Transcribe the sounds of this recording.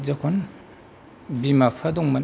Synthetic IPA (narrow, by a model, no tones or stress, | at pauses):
zakʰɔn | bimapʰadɔŋman